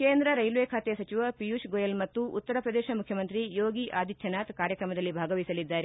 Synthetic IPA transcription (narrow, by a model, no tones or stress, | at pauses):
keːnd̪ɾɐɾɐjlʋeːkʰaːt̪ɛjɐsɐt͡ʃiʋɐpijuʃɡojɐlmɐt̪ːuʔut̪ːɐɾɐpɾɐd̪eːʃɐmukʰjɐmɐnt̪ɾijoːɡiʔaːd̪it̪ʰjɐnaːt̪kaːɾjɐkɾɐmɐd̪ɐlːibʱaːɡɐʋisɐlid̪ːaːɾe